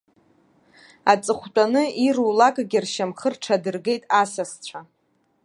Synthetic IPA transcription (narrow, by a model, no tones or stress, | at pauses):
at͡sʼɨχʷt͡pʷʼanɨirulakʼɡʲɪrʃamχərʈ͡ʂʰadɨrɡe̞jtʼasast͡ɕʷʰa